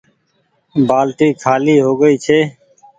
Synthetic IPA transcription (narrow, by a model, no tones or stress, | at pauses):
baːlt̪iːkʰaːliːɦoːɡəiːt͡ʃʰeː